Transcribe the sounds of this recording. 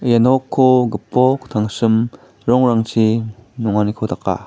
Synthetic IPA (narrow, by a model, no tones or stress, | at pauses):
janɔkʰːoɡɯpːɔkt̪ʰaŋsɯm | ɾɔŋɾaŋt͡ʃʰinuŋanikʰodaka̰